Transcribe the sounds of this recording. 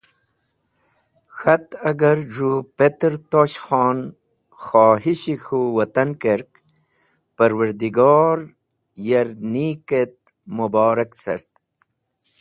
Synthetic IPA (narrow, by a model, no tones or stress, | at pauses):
xat̪ɐɡaɾʐupet̪ɾt̪oːɕxɑːn | xɑːɦiɕixuwɐt̪ankeɾk | pəɾwəɾd̪iɡɑːɾ | jaɾniket̪̚ | mubɑːɾakt͡sɐ̰ɾt̪